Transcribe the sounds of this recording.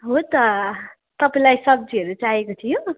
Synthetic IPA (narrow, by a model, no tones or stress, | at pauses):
ɦot̪ʌ | t̪ʌpaĩlajsʌb̚d͡ziɦʌɾut͡saɦekot̪ʰijo